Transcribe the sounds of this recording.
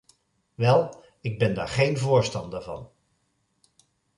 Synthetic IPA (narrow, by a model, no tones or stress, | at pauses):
ʋɛlˠ | ɪɡ̚bɛnda̰ːɹχejnvʊːɹstɑndəɹvɑ̰n